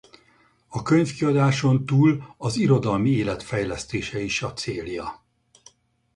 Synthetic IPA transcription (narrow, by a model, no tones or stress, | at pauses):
ɒkøɲfkiɒd̪aːʃo̞nt̪uːlɒziɾo̞d̪ɒlmieːlɛt̪fɛjlɛst̪eːʃɛiʃɒt̪seːljɒ̰